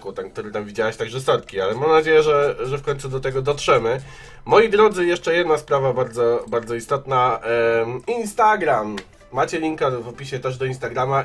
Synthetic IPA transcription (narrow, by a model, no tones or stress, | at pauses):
kut̪ɛnk̚t̪uɾɘt̪amvʲid͡ʑawɛɕt̪aɡʐɛst̪ɔɾt̪̚kʲialɛmamnad͡ʑejɛʐɛʐɛfkɔɲ̃t̪sud̪ɔt̪ɛɡɔd̪ɔtʂɛmɘ | mɔjid̪ɾɔd̪zɘjɛʂt͡ʂɛjɛd̪naspɾavabaɾd̪zɔbaɾd̪zɔist̪ɔt̪na | inst̪aɡɾamː | at͡ɕɛlʲiŋkavɔpʲiɕɛt̪ɛʐd̪ɔinst̪aɡɾama